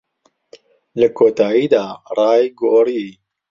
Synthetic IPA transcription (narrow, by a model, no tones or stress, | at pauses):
ləkʰoːt̪aːjiːd̪aːrˤɑːjɡoːɾi